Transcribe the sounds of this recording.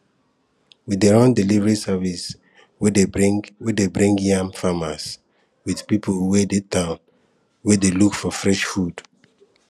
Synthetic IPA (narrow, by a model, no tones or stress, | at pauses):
wideɹɔ̃ndɛlivəɹisavis | wedewedebɹĩŋɡjãmfamas | wiðpipʰowedetãʊ̃n | wedelukfɔfɹɛʃfud̥